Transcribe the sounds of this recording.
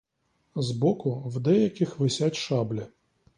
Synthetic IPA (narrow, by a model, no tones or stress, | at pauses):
zbɔkʊwd̪ɛjɐkʲɪxʋɪsʲatʲʃɑblʲɐ